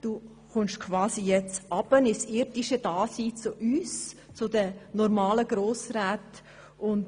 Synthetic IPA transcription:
d̥uː | χʊnʃkʰvɑːsijɛt͡sʔɑb̥ənɪsɪɾdiʃəd̥aːsiːt͡sʊʔyːst͡sʊdənɔɾmɑːləɡ̥ɾoːsɾaːt | ʊnt

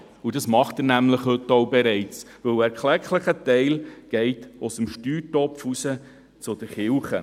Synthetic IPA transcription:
udɑsmɑχtəɾnæmləχhɵtːoʊbɛɾɛɪt͡s | ʋɵwæɾkχlɛkləχətɛɪlɡ̥ɛɪtʊsəmʃtyːɾtɔpfusə | t͡sʊd̥̪əχɪlχə

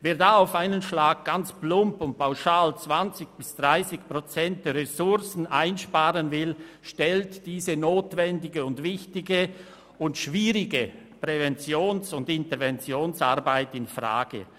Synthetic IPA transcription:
veːɐdaːaʊfaɪnənʃlaːɡ̚ɡ̥ant͡splʊmpʊnt̚pʰaʊʃaːlt͡sv̥ant͡sɪçb̥ɪsd̥ʁaɪsɪçpʁ̥ot͡sɛnt̚d̥əʁɛsʊɾsn̩ʔaɪnʃpaːʁənvɪlʃtɛltd̥iːzənoːtvɛndɪɡəʊntvɪçtɪɡə | ʊntʃviːʁɪɡə | pʁ̥ɛvɛnt͡sjoːnsʊndɪntəɾvɛnt͡sjoːnsa̰ɾbaɪtɪnfʁa̰ːɡ̥ə̰

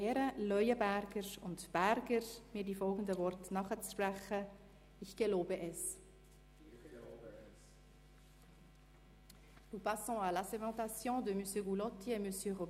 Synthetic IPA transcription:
ɛːɾəlœʏəbæɾɡəɾʊ̰ntb̥æɾɡəɾmiːdifɔlɡən̩dəvɔɾtnɑχət͡spɾɛχə | ɪçɡ̥eloːbəʔɛs | nupasɔ̃alasemɑ̃t̪asjɔ̃ːd̪əmysjøɡulɔt̪iɛmøsjøʁo

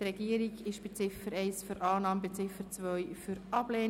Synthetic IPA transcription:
ɾɛɡ̥iəɾiɡɪʃb̥et͡sɪfəɾɛɪsfyɾʔɑːnɑːməbet͡sɪfəɾt͡svœjfyɾʔɑbleː

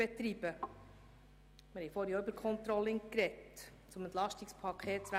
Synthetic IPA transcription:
ɛt̪ɾib̥ə | mɪɾhɛjfoːɾjoʏbəɾkʰχɔnt̪ɾɔlːɪŋkɾɛt | t͡sʊmɛnt̪lɑʃtikspʰɑkʰeːt̚t͡ssʋæ

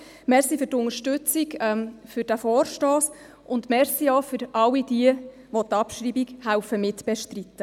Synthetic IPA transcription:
mɛɾsifʏrtʊŋəʃtʉt͡sikɛmfʏɾd̥æfɔːɾʃtɔːs | ʔʊndmɛɾsiɔfʏɾʔɑwid̥iə | ʋɔt̪ɑpʃɾiːbikhæʊfəmɪtb̥ɛʃtrit̪ːə

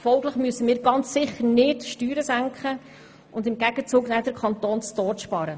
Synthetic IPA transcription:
fɔlɡləχmyəsəmiːɾɡɑnt͡ssɪχəɾnɪdʃtyːɾəsæŋkχə | ʊndɪmɡɛɡ̥ət͡suːɡnɛdəɾkʰɑnt̪oːnt͡stɔːʃpɑɾə

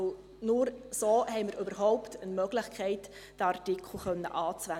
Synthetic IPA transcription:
nʊɾsoːhɛɪməɾybəɾɦɔʊptənmœɡ̥lɪχkʰɛɪt | d̥ɑrtɪkʰl̩χœnːə̰ʔɑːt͡sʋæ

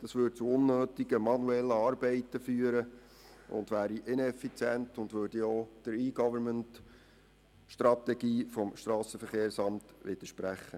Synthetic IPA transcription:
d̥ɑsʋʏd̥̚t͡suʊnːøːt̪iɡ̥əmɑnuɛlːəɑːɾbɛɪtəfyːəɾə | ʊ̰ndʋæːɾiʔɪnɛfit͡sjɛntʊndʋøːɾd̥ioːd̥əɾiːɡɔvəɾmənt | ʃtrɑt̪ɛɡiːfɔmʃtɾɑːsəfəɾχeːɾsɑmtʋɪd̥̪əʃpɾæχːə

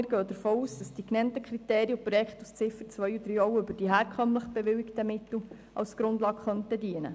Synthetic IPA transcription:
ɪːɾɡøːd̪əɾfoːuːsd̥ɑsd̥iknɛntəkχɾiteːɾiəpɾɔjɛkχtust͡sɪfəɾt͡sʋœjud̥̪ɾiːɔwʏbəɾd̥iɦɛːɾkʰœmləχb̥ɛʋɪwɪktəmɪt̪l̩ | ʔɑ̰lsɡ̥ɾʊndlɑːkχœntədiənə

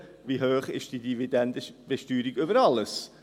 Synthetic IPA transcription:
viɦøːχɪ̰ʃd̥idividɛndəb̥ɛʃtyːɾiɡʏbəɾɑləs

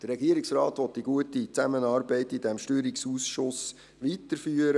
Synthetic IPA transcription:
d̥ərːɛɡiəɾiksraːtʋɔt̪d̥iɡuətit͡sæmənɑːɾbɛɪtidɛmʃtyːɾiksuːsʃʊs | ʋit̪əɾfyːəɾə

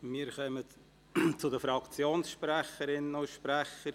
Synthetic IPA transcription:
miːɾχœmə | t͡sʊdəfɾɑkt͡sjoːnsʃpɾæχəɾɪnoʃpɾæχːəɾ

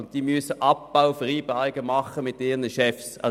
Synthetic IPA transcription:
ʊnt̚d̥iːmysəʔɑpb̥aʊfʁiːbaɪɡ̥əmɑχəmɪt̚deːʁnəʃɛfsɑ̰

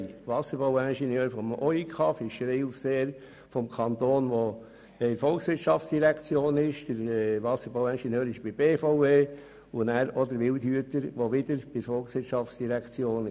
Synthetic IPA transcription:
ʋɑsəɾbawænʃɛnjøːɾfɔmɔikʰɑfɪʃɾeɪufseːəɾ | fɔmkʰɑnt̪oːnʋɔ | ɛɾfɔlksʋɪɾtʃɑftsd̥iɾækt͡sjoːnɪʃd̥əɾʋɑsəɾbaʊænʃɛnjøːɾɪʃb̥ɪbeːfɔʊeː | ʊnæːɾɔd̪əɾʋɪlthyətəɾʋoʋɪdəɾb̥ɪfɔlksʋɪɾtt͡ʃʃɑft͡ssd̥iɾækt͡sjoːn

